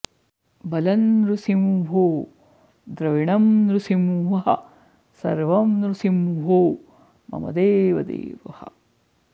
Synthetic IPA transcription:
bɐlɐnɾusimɦoː | d̪ɾɐʋiɳɐmɾusimʋɐɦɐ̰ | sɐ̰ɾʋɐmɾusimɦoː | mɐ̰mɐ̰d̪eːʋɐd̪ḛːʋɐhɐ̰

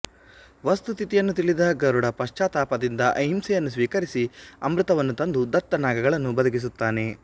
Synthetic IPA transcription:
ʋɐst̪ut̪it̪ijɐnːut̪iɭid̪ɐɡɐɾuɽɐpɐʃt͡ʃaːt̪aːpɐd̪ind̪ɐʔɐɦimsɛjɐnːus̬ʋiːkɐɾisiɐmɾɯt̪ɐʋɐnːut̪ɐnd̪ud̪ɐt̪ːɐnaːɡɐɡɐɭɐnːubɐd̪ɐɡis̬ut̪ːaːne̞

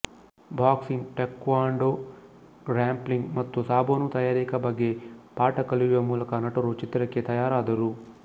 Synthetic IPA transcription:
bʱaːksiŋɡʈekʋaːɳɖo | ɾaːmpliŋɡmɐt̪ːusaːboːnut̪ɐjaːɾikɐbɐɡːepaːʈɐkɐliɾiʋɐmuːlɐkɐnɐʈɐɾut͡ʃit̪ɾɐkːet̪ɐjaːɾaːd̪ɐɾu

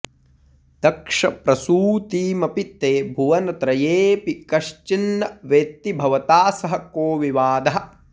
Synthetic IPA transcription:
d̪̥ɐkʂɐ̰pɾɐsuːt̪iːmɐpit̪ːeːbʱuʋɐnɐt̪ɾɐjeːpikɐʃt͡ʃinːɐʋeːt̪ːibʱɐʋɐt̪aːsɐɦɐkoːʋiʋaːd̪ɐɦɐ̆

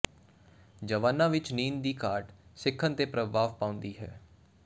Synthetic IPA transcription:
d͡ʒəʋaːnːãːʋɪt͡ʃniːnd̪iːkaːʈsɪkʰːənt̪eːpɾəbaːʋpãːʊ̃nd̪iːɦɛ̰ː

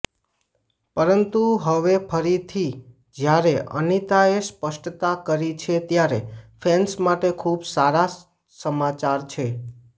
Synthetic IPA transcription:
pəɾənt̪uɦəʋepʰəɾit̪ʰi | d͡ʒjaɾeʔə̰nit̪aespəʃʈt̪akəɾit͡ʃʰet̪jaɾefʰɛnsmaʈekʰubsaɾa | səmat͡ʃaɾt͡ʃʰe

